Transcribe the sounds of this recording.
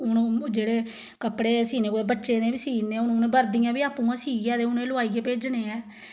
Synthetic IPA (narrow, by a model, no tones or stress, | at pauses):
ʊnːd͡ʒeːɽeː | kəpːɽeːsiːneːkoeːbətːʃeːnẽːbiːsiːneʊñːnẽːbəɾd̪ijãːbiːaːpũːãːsiːaːd̪eːʊnẽːlʊaːiːkeːpeːd͡ʒneːɛː